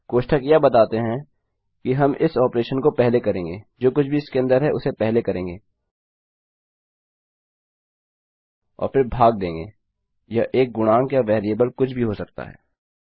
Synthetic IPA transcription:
koːʃʈʰəkjabɐt̪aːt̪eɦɛ̃ | kiɦɐmʔɪsɔːpɾeːʃənkopɛɦlekɐɾẽːŋɡeːd͡ʒoːkʊt͡ʃʰbʱiɪskeɐ̃nd̪əɾɦɛʔʊsepɛɦlekɐɾẽːŋɡeː | ɔ̰ːɾfɪɾbʱaːɡ̚d̪ẽːŋɡḛː | jaʔeːk̚ɡʊnãːŋkjaʋɛːɾiəbəlkʊt͡ʃʰbʱiɦosɐk̚t̪a̰ɦɛ̰ː

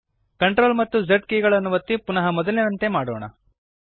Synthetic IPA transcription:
kɐɳʈɾoːlmɐt̪ːuzɐʈ̚kiːɡɐɭɐnːuʋɐt̪ːipunɐɦɐmɔd̪ɐlːenɐnt̪e̞maːɽoːɳɐ̰

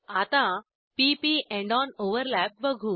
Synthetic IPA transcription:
at̪ã | pipiʔɛ̃ɳɖɔnoʋəɾlæp̚bəɡʱuː

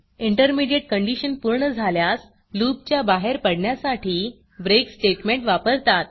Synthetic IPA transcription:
iɳʈəɾmiɖjeʈ̚kəɳɖiɕənpuɾɳəd͡zʱaljas | luːp̚t͡ɕjabaɦeɾpəɽɳjasaʈiː | bɾeksʈeʈmeɳʈʋapəɾt̪at̪̚

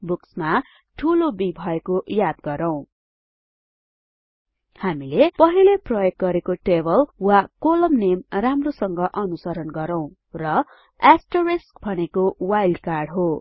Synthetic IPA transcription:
buksma | ʈʰulobibʱʌekojad̪̚ɡʌɾʌw̃ | hamilepʌɦileprʌjoɡ̚ɡʌɾekoʈebʌlwakolʌmnemramrosʌŋɡʌʔʌnusʌɾʌnɡʌɾʌw̃ | rʌ | asʈʌresk̚bʱʌnekowajlɖkarɽɦo

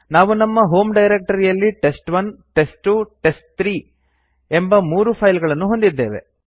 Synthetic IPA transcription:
naːʋunɐmːɐɦo̞ːmɖɐjɾek̚ʈɐɾijɐlːiʈe̞sʈʋɐnʈe̞sʈuʈe̞sʈ̚t̪ɾiː | embɐmuːɾupʰɐjlɡɐɭɐnːuɦo̞nd̪id̪ːe̞ːʋḛ

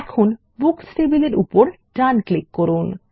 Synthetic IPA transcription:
ɛkʰon | buksʈebileɾʔṵpoɾʈanklikːɔɾun

